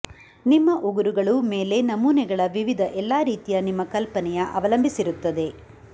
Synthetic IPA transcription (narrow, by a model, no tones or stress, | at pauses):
nimːɐʔuɡuɾuɡɐɭume̞ːle̞nɐmuːnɛɡɐɭɐʋiʋid̪ʱɐʔɛlːaːɾiːt̪ijɐnimːɐkɐlpɐnɛjɐʔɐʋɐlɐmbʱisiɾut̪ːɐd̪e̞